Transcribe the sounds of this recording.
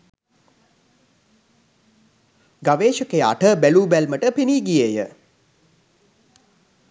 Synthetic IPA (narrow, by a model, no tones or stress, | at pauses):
ɡaʋeːʃəkejəa̰ʈəbæluːbælməʈəpeniːɡijeːjə